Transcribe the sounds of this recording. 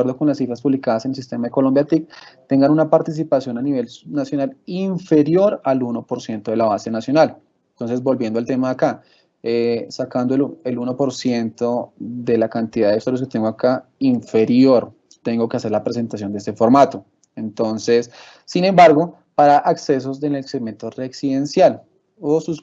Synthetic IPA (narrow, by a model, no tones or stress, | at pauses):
eɾd̪o̞ko̞nlasːifɾaspuβlikaðasenels̬ist̪e̞maðekolo̞mbjat̪ik̚t̪e̞ŋɡanunapaɾt̪is̬ipasjo̞naniβe̞lnasjo̞naliɱfe̞ɾjo̞ɾaluno̞poɾsje̞nt̪o̞ðe̞laβase̞nasjo̞nal | ent̪o̞nse̞zbo̞lbje̞nd̪oalt̪e̞maːka | esakand̪oeluno̞po̞ɾsje̞nt̪oðe̞lakant̪iðaðeist̪oɾjosket̪e̞ŋɡoakaiɱfe̞ɾjo̞ɾ | t̪e̞ŋɡo̞ke̞ase̞ɾlapɾes̬e̞nt̪as̬jo̞nd̪eest̪e̞fo̞ɾmat̪o | ent̪o̞nse̞sː | inẽ̞mbaɾɡo̞ | paɾaʔakse̞s̬o̞seneekseme̞nt̪oreksiðe̞nsjal | osus